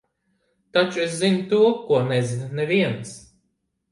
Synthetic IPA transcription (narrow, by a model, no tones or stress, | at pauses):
t̪at͡ʃueszint̪uɔkːuɔnɛzinnɛviɛns